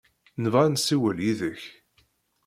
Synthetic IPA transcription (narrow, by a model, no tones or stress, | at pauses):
nəvansiwəljiðəç